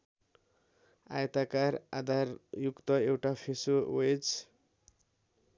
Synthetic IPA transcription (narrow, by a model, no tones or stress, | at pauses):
a̰jt̪akara̰d̪ʱarjukt̪ʌewʈapʰesowed͡z